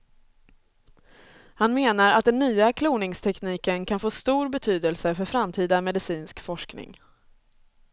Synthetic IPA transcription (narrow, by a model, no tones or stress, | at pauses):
hanmeːnaɾa̰t̪̚d̪ɛnːyːakʰluːnɪŋst̪ʰɛkniːkənkʰanfoːst̪uːɾbɛt̪ʰyːd̪əlsəfœɾfɾamt̪ʰiːd̪amɛd̪ɪsiːnskfɔʂknɪ̰ŋ